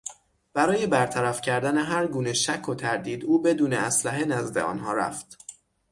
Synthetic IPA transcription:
b̥æɾɒːje̞bæɾt̪ʰæɾæfcʰæɾd̪æne̞ɦæɾɡuːne̞ʃækʰːot̪ʰæɾd̪iːd̪uːbe̞d̪uːneæslæɦe̞næzd̪e̞̰ɒ̰ːnɦɒːɾæ̰ft̪

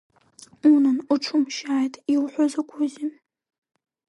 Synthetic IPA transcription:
unɨnuʈ͡ʂʷʰʊmʃaːjtʼiwħʷozakʷʰʊzin

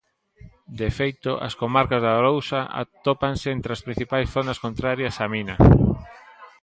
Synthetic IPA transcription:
d̪efejt̪oʔɐ̰skomaɾkazðaɾowsaa̰t̪opanseent̪ɾɪaspɾĩn̟θipajsθonɐskont̪ɾaɾjɐsaminɐ

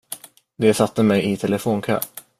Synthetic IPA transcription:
d̪ɛsat̪ːəmɛjɪt̪ʰɛləfoːnkʰø̰ː

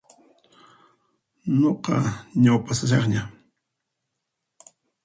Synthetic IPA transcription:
noqɑ̰ɲawpasasɑχɲa

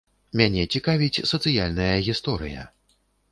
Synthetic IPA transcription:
mʲanʲɛt͡sʲikavʲit͡sʲsɐt̪sɨjalʲnɐjɐɣʲist̪ɔɾɨ̰jɐ̰

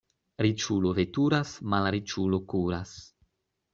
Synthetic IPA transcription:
ɾit͡ʃulovet̪uɾasmalɾit͡ʃulokuɾas

